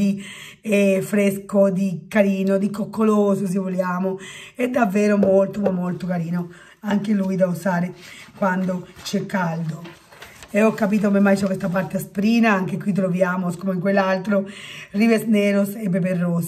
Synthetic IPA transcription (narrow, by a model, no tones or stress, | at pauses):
i | efɾeskod̪ikaɾiːnod̪ikokːoloːsos̬evoljaːmoɛd̪ːavːɛːɾomolt̪omamːolt̪okaɾiːno | aŋkeluːjd̪ausaːɾekwand̪ot͡ʃɛkːald̪o | eɔkːapiːt̪okomemːajt͡ʃɔkwest̪ap̬aɾt̪easpɾiːnaaŋkekwit̪̬ːɾovjaːmoskomeiŋkwelːalt̪ɾorivesneːɾosepːep̬erːoːs